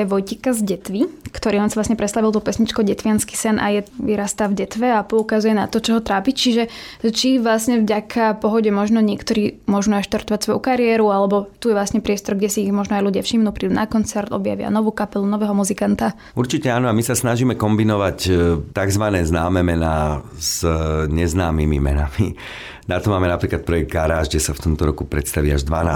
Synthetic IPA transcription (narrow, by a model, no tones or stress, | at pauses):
ɛʋɔjcikazɟɛt̪ʋikt̪ɔɾiːlɛnsaʋlasɲɛpɾɛt̪st̪aʋilˠt̪ɔpɛsɲit͡ʃkɔɟɛt̪ʋɪanski̥sɛnʔa̰jɛʋiɾast̪aːvɟɛt̪ʋɛapɔukazujɛnat̪ɔt͡ʃɔɦɔt̪ɾaːpict͡ʃiʒɛt͡ʃiʋlasɲɛvɟakʰapɔɦɔɟɛmɔʒnɔɲɪɛkt̪ɔɾiːmʊɔʒuːnaʃt̪aɾt̪ɔʋacsʋɔjukaɾɪɛːɾualɛbɔt̪ujɛʋlasɲɛpɾɪɛst̪ɔɾɡɟɛsiːɣmɔʒnɔajluɟɪafʃimnuːpɾiːd̪uːnakɔnt͡sɛɾt̪ɔ̰bja̰ʋɪa̰nɔʋuːkapɛlunɔʋɛːɦɔmuzikant̪a | uɾt͡ʃicɛaːnɔamisasnaʒiːmɛkɔmbinɔʋact̪aɡzʋanɛːznaːmɛːmɛnaː | z̥ɲɛznaːmimḭmɛ̰nami | nat̪ɔmaːmɛnapɾiːklat̪̚pɾɔjɛɡ̚d̪̚ɡaɾaːʒɡɟɛsaft̪ɔmt̪ɔɾɔkupɾɛt̪st̪aʋḭːa̰ʒd̪ʋanaː